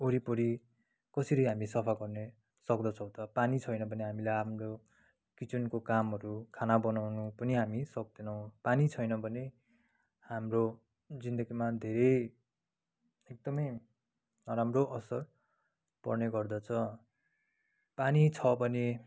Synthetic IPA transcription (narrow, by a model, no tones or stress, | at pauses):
oɾipoɾi | kʌsiɾʌjɦamisʌpʰaɡʌrne | sʌkd̪ʌt͡sʰʌw̃t̪ʌpanit͡sʰʌjnʌbʱʌneɦamilajamro | kit͡sunkokamɦʌɾukʰanabʌnawnupʌniɦamisʌk̚d̪enʌw̃panit͡sʰʌjnʌbʱʌne | hamro | d͡zind̪ʌɡimad̪ʱeɾʌj | ek̚d̪ʌmʌj | nʌɾamroʔʌsʌr | pʌ̰rneɡʌrd̪ʌt͡sʰʌ | panit͡sʰʌbʱʌne